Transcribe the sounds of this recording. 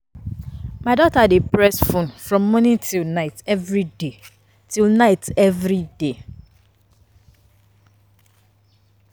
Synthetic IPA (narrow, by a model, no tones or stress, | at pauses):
maɪdɔtadepɹɛsfõnfɹɔ̃mːɔ̃nĩntʰilnaɪtɛvɹide | tʰilnaɪtɛvɹide